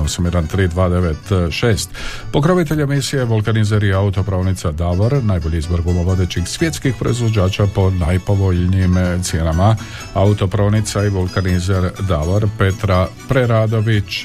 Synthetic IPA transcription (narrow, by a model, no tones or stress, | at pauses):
osamjed̪ant̪ɾiːd̪ʋaːd̪e̞ʋet̪ʃeːst̪po̞kɾoʋit̪̬e̞ʎemisije̞bolkanizeɾiaut̪o̞pɾo̞ːnit̪sad̪aʋoɾnajbo̞ʎiizboɾɡomoʋod̪e̞t͡ɕixsʋje̞t̪skixpɾo̞̰izʋo̞d͡ʑaːt͡ɕapo̞najpo̞ʋo̞ʎniimt̪sje̞ːnama | aut̪o̞pɾo̞ːnit̪saibolˠkanizeɾd̪aʋoɾpe̞t̪ɾapɾeɾaːd̪o̞ʋit͡ʃ